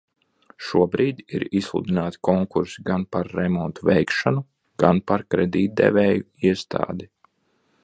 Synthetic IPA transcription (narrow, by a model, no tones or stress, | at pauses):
ʃuɔbɾiːd̪iɾislˠṵd̪inaːt̪i̥kɔŋkuɾsiɡanpaɾːɛmɔnt̪uvɛjkʃanu | ɡ̥anpaɾkɾɛd̪iːt̪̚d̪ɛ̰vʲɛːju | iɛst̪ʰa̰ːd̪i